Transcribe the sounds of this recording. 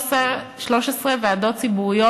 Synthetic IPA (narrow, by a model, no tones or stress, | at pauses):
sa | ʃloʃesʁeveadott͡sibuʁijo